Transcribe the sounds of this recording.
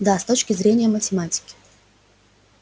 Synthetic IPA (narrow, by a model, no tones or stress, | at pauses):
d̪ast̪ot͡ɕkʲɪzɾʲenʲɪjəmətʲɪmatʲɪ̥kʲɪ̥